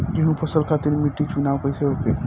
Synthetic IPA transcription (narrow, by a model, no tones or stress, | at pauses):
d͡ʒiɦũpʰəsəlkʰat̪iɾmiʈiksunawkəjseoːke